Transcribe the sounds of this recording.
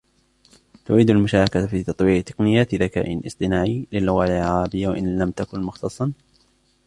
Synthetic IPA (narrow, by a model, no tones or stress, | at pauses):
t̪ʊʕiːd̪almʊʃaːɾakafiːt̪ɑt̪ˤwiːʕt̪ɑ̥qnɪjːaːt̪ðaka̰ːʔɪnʔɨ̰sˤt̪ˤɨnaːʕiːlɪlːʊɣaʕɑɑɾˤɑbɪjːawaʔɪnlamt̪akʊnmʊxt̪ʰɑsˤːɑn